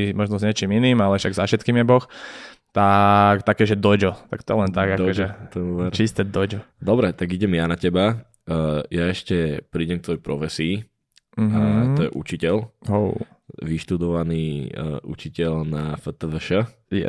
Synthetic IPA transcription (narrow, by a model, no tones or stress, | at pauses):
imɔʒnɔzɲɛt͡ʃiminiːmalɛʃaɡzafʃɛt̪kiːmjɛbɔxt̪akt̪akɛːʒɛd̪ɔd͡ʒɔt̪ak̚t̪ɔjɛlɛndt̪aɡakd̪ɔʒɔɛt̪ɔjɛuːʋɛɾt͡ʃist̪ɛd̪ɔd͡ʒɔd̪ɔbɾɛt̪aɡiɟɛmjanacɛba | jaɛʃcɛpɾiːɟɛmk̚t̪ʋɔjɛpɾɔfɛsiː | m̩ɦt̪ɔjɛ̰ʔut͡ʃicɛlɦo | ʋiʃt̪ud̪ɔʋaniːʔṵt͡ʃicɛʎnafət̪əʋəʃə | jɛ̰